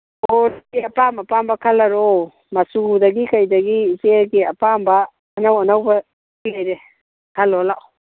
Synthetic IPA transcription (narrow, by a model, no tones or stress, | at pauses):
oɾɡiɐpamɐpambɐkʰɐlɐɾo | mɐsudɐɡikʰajdɐɡiːzeɡiɐpambɐː | nawɐnawbɐ | piajɾe | kʰalolaʔ